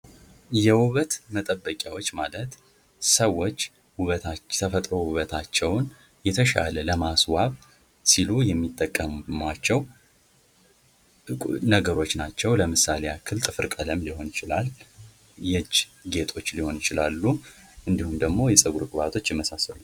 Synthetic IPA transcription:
jɛwuβət̪mət̪ʼəbːəkʼjawo̞t͡ʃːmalət̪ | səwːo̞t͡ʃː | wuβət̪at̪ʰəfət̪ʼɾo̞wuβət̪ʰat͡ʃːɛwn | jɛt̪ʰəʃa̰lələmaswaβ | silujɛmːit̪ʼːəkʼːəmmat͡ʃːɛw | nəɡəɾo̞t͡ʃːnat͡ʃːɛwləmɨsalejakʰːɨlt̪ʼɨfɨɾkʼələmliho̞njɪt͡ʃɪlal | jɛd͡ʒɡe̞t̪ʰo̞t͡ʃːliho̞njɪt͡ʃɪlalːu | ʔɨnd̪ihumd̪əɡmo̞jɛsʼəɡuɾkʼɨβat̪ʰo̞t͡ʃːjɪmːəsasəlu

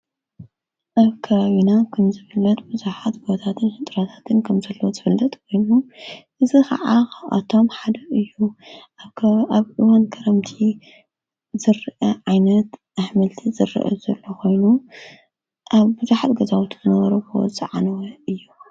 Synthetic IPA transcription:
ʔaβkʰɐβaβinakʰɐmzɨfɨlːɐt̪̚bɨzuħat̪ɡot̪ʰat̪ʰɨnħɨt̪ʼɾat̪ʰḁt̪ʰɨnkʰɐmzɐlːowozɨfɨlːɐt̪ʼkʰo̞jnuʔɨzixɐ̰ʕaxaʔa̰t̪ʰo̞mħad̪ɐʔɨjːu | βʔɨwankʰɐɾɐmt̪ʰi | zɨɾʔɐʕajnɐt̪ʔaħmɐlt̪ʰizɨrḭʔɐ̰zɐlːoko̞jnu | ʔaβbɨzuħat̪ɡɐzawut̪ʰuzɨnɐβɐɾokʰɨwɔ̰t͡sʼɨ̰ʕanɐwɐɨjːu

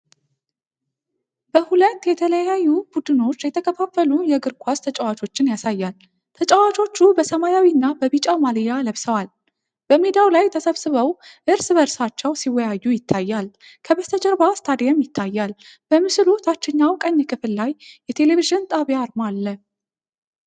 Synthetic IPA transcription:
bəhulət̪ːjɛt̪ʰələjajːubud̪ɨno̞t͡ʃːjɛt̪ʰəkʰəfafːəlujɛɡɨɾkʷʰast̪ʰət͡ʃʼawat͡ʃʼo̞t͡ʃːɪnjasajːal | t̪ʰət͡ʃʼəwat͡ʃʼo̞t͡ʃːubəsəmajawinːabəβit͡ʃʼamalijaləβsəwal | b̥əmed̪awlajt̪ʰəsəβsɨβəwʔɨɾsɨβəɾsat͡ʃːɛwsiwːɔjajːujɪt̪ʰːajːal | kʰəβəst̪ʰəd͡ʒəɾbast̪ʰad̪jamjɪt̪ʰːajːalb̥əmɨsɨlot̪ʰat͡ʃːɪɲːawkʼəɲːkʰʼɨfɨlːajːɛt̪ʰe̞le̞viʒɪnt̪ʼaβjaɾmalːə

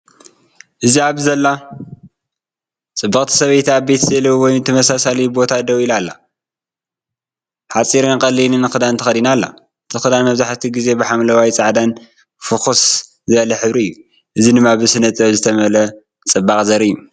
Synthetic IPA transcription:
ʔɨziaβzɐlːa | t͡sʼɨbːɐχʼt̪ʰi̥sɐβɐjt̪ʰabet̪ʰzɐlɐwwɔjnt̪ʰɐmɐsasalibo̞t̪ʰad̪ɐwilalːa̰ | ħat͡sʼiɾɨnɨkʼɐlːinɨnɨxɨd̪ant̪ʰɐ̥xɐd̪inalːa̰ | t̪ɨxɨd̪anmɐβzaħt̪ʰiɡize̞bɨħamlɐwajt͡sʼaʕd̪an | fɨxus | zɨβɐlɐħɨβɾiɨjːu | ʔɨzidɨmːabɨsɨnɐt̪ʼɐβzɨt̪ʰɐmɐlɐ | t͡sʼɨbakʼzɐɾɨjːu

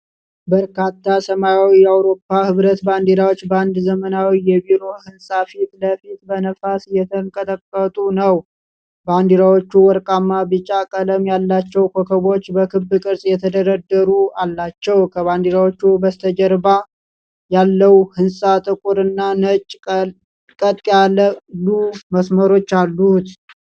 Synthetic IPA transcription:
bəɾkʰat̪ʰːasəmajawijɛawɾo̞pːahɨβɾət̪band̪iɾawot͡ʃːband̪zəmənawijɛbiɾo̞hɨnsʼafit̪ləfit̪bənəfasjɛt̪ʰəŋkʼət̪ʼəkʼːət̪ʼunəw | band̪iɾawot͡ʃːuwɔɾkʼamːabɨt͡ʃʼakʼələmjalːat͡ʃːɛwkʰokʰəβo̞t͡ʃːbəkʰɨbːɨkʼɨɾsʼjɛt̪ʰəd̪əɾəd̪ːəɾualːat͡ʃːɛwkʰəβand̪iɾawot͡ʃːubəst̪ʰəd͡ʒəɾba | jalːəwhɨnsʼat̪ʼɨkʼuɾɨnːanət͡ʃʼ | kʼət̪ʼːjaləluməsməɾo̞t͡ʃːalːut̪

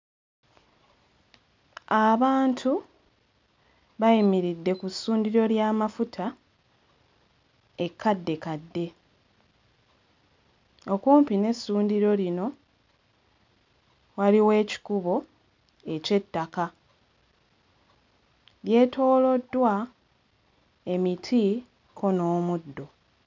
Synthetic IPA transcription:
aβaːntʰu | βajimiɾidːe̞kusːuːndiɾo̞ljaːmafutʰa | e̞kʰːadːe̞kadːe̞ | o̞kuːmpine̞sːuːndiɾo̞lino̞ | waliwe̞ːci̥kuβo̞ | e̞ce̞tːaka | lje̞ːto̞ːlo̞dːwa | e̞mitʰi | kʰo̞no̞ːmudːo̞

